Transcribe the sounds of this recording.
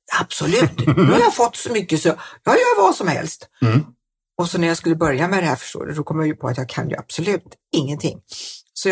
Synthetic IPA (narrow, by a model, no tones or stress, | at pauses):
ab̥sɔlʉ̟ːt̪nʉːhaɾjafɔt̪ːsɔmʏkːəsɔjɑhajœːɾvɑːsɔmhɛ̰lst̪ | ɔsɔnæɾjaskɵlːəbœɾjamɛd̪ɛhæɾfœ̥ʂʈo̰ːd̪ə̰d̪ɔkʰɔmjajɵpʰɔa̰t̪jɑːɡkʰa̰njɵ̰ab̥sɔlʉ̟ːt̪ | ɪŋːənt̪ʰɪŋːsɔ